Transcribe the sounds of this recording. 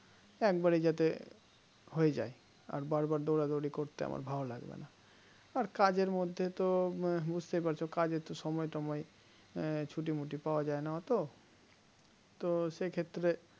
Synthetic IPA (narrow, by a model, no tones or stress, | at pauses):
ɛkbaɾid͡ʒat̪e | ɦoed͡ʒa̰e | a̰ɾbaɾbaɾd̪oɽad̪oɽikoɾt̪ea̰mʔa̰ɾbʱawolaɡbḛna | aɾkad͡ʑeɾmod̪ʱːet̪obud͡ʑʱt̪epaɾt͡ʃʰokad͡ʑet̪oʃɔmɔjʈɔmɔj | t͡ʃʰuʈ̬imuʈipaoad͡ʑaenaɦɔt̪o | t̪osekʰet̪ːɾe